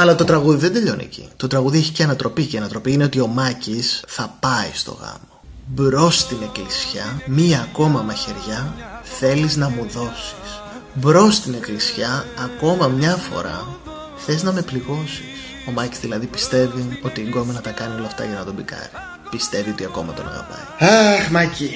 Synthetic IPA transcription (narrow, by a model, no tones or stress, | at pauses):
ɐlɐt̪o̞t̪ɾɐɣuðiðend̪e̞ʎo̞nḭcḭt̪o̞t̪ɾɐɣuðieçi̥ceɐnɐt̪ɾo̞piceiɐnɐt̪ɾo̞piine̞o̞t̪io̞mɐcisθɐpɐist̪o̞̰ɣɐ̰mo̞bɾo̞st̪ine̞klisçɐmiɐko̞mɐmɐçe̞ɾʝɐθe̞liznɐmuðo̞si̥s | bɾo̞st̪ine̞klisçɐːko̞mɐmɲɐfo̞̰ɾɐ̰ | θe̞znɐme̞pliɣo̞sis | o̞mɐcizðilɐðipist̪e̞vio̞t̪iːɡo̞minɐt̪ɐkɐnio̞lɐːft̪ɐ̰ʝɐnɐt̪o̞bikɐ̰ɾi | pist̪e̞vio̞t̪iɐko̞mɐ̰t̪o̞nɐ̰ɣɐ̰pɐ̰jɐxmɐci